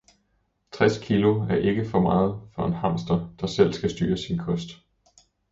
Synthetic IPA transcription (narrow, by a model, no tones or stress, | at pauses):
t͡sʰʁɛskʰilo̝æɐʔe̝ɡ̥əfɒ̽mɑ̈ːð̞̩ˠfɒ̽e̝nhɑ̈m̰sd̥ɐd̥ɑ̈sel̰sɡ̥æsd̥yːɐsinkʰɒ̽sd̥